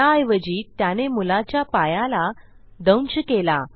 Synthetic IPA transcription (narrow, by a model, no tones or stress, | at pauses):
aːjʋəd͡ʑiːt̪janemulat͡ɕjapajala | d̪əwnt͡ɕəkela̰